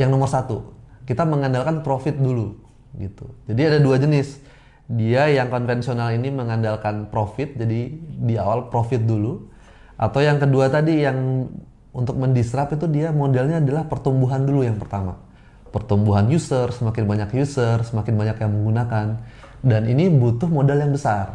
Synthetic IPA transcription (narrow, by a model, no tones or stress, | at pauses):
jaŋnomərsat̪ukit̪aməŋandalkanpɾofɪt̪̚dulu | ɡit̪ud͡ʒadiadaduad͡ʒənɪs | diajaŋkɔnfɛnsionaliniməŋandalkanpɾofɪt̪̚d͡ʒadidiawalpɾofɪt̪̚dulu | ʔa̰t̪awjaŋkəduat̪adijaŋ | unt̪ʊk̚məndisɾapit̪udiamodɛlɲaːdalahpərt̪umbuɦandulujaŋpərt̪ama̰ | pərt̪umbuɦanjusərsəmakɪnbaɲakjusərsəmakɪnbaɲakjaŋməŋɡunakan | daninibut̪ʊhmodɛljaŋbəsar